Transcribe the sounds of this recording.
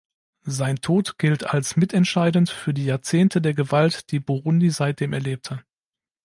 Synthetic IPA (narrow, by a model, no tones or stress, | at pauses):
zaɪntʰoːtɡ̥ɪltʰalsmɪtʰɛntʃaɪdn̩tfyːɐdiːjaːɐt͡seːntʰədeːɐɡəvaltd̥iːbuʁʊndizaɪt̚d̥eːmʔɛɐleːp̚tʰə